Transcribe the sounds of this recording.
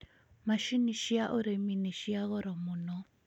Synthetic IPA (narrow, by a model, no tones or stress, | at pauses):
maʃiniʃiaʔʊɾeminiʃijaɣɔɾɔmʊnɔ